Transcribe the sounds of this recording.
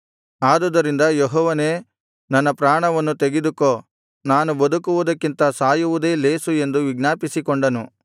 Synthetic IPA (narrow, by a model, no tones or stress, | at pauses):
aːd̪ɐd̪ɐɾind̪ɐjɔɦɔːʋɐne̞ː | nɐnːɐpɾaːɳɐʋɐnːut̪eɡed̪ukoː | naːnubɐd̪ukuʋud̪ɐkːint̪ɐsaːjuʋud̪e̞ːle̞ːsue̞nd̪uʋiɡnaːpisikɔɳɖɐnu